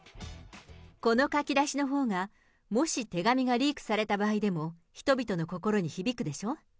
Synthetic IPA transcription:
ko̞no̞kakʲid̪aɕino̞ɦo̞ːɡa | mo̞ɕit̪e̞ɡamʲiɡaɾʲiːkɯ̟̥saɾe̞t̪abaːid̪e̞mo̞çi̥t̪o̞bʲit̪o̞no̞ko̞ko̞ɾo̞ɲ̟içibʲikɯ̟d̪e̞ɕo̞ː

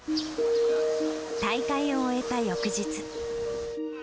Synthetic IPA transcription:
t̪ait̪aioːe̞t̪ajo̞kɯ̟ʑit͡sɨ̥

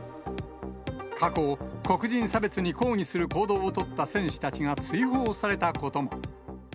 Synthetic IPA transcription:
kʰako̞ko̞kɯ̟ʑĩɰ̃sabe̞t͡sɨɲ̟iko̞ːɲ̟isɨɾɯ̟ko̞ːd̪o̞ːt̪o̞t̪ːasẽ̞ɰ̃ɕɨ̥t̪at͡ɕiŋat͡sɨiɦoːsaɾe̞t̪ako̞t̪o̞mo̞̰

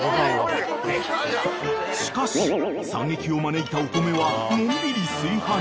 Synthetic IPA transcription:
ɕii̥kaɕisã̰ŋɡe̞kʲio̞maneit̪aok̪ome̞βanõnd̪ɯɾʲisɨːhã

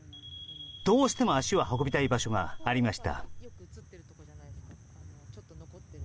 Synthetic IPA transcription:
d̪̥o̞ːɕi̥t̪e̞mo̞aɕiβahoko̞bʲit̪aibaɕo̞ɡa̰ːɾʲimaɕi̥t̪a̰

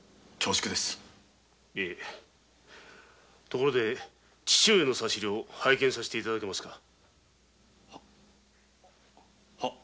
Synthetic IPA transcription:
t͡ɕoːɕi̥kɯd̪esɨ̥ | e | t̪o̞ko̞ɾod̪e̞ | t͡ɕi̥ɕɨːenosaɕiɾʲio̞haikẽ̞ɰ̃saɕe̥t̪eit̪ad̪ake̞masɨ̥ka | ha

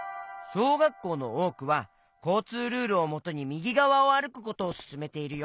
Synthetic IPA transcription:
so̞ːɡakːo̞ːno̞̰oːkɯ̟βa | ko̞ːt͡sɨːɾɯ̟ːɾɯ̟omo̞t̪o̞ɲ̟imʲiɡʲiɡaβao̞aɾɯ̟kɯ̟ko̞t̪o̞ːsɨ̥sɨme̞t̪e̞iɾɯ̟joː

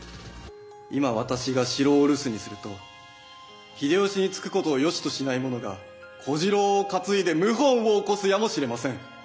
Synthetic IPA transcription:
imaβ̞at̪aɕiɡaɕiɾo̞ːɾɯ̟sɨɲ̟isɨɾɯ̟t̪o̞ | çid̪e̞oɕiɲ̟it͡sɨ̥kɯ̟̥ko̞t̪o̞ːjo̞ɕi̥t̪o̞ɕinaimo̞no̞ɡa̰ | kʰo̞ʑiɾo̞ːkat͡sɨid̪e̞mɯ̟ɦõ̞ɰ̃βoːko̞sɨjamo̞ɕiɾe̞masẽ̞ŋ

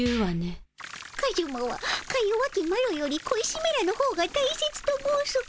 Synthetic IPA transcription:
ɯːβane | kaɾʲɯmoβa̰kaioβakʲimaɾojo̞ɾʲikoiɕimeɾanohoːɡat̪aise̞t͡sɨ̥t̪omoɯso

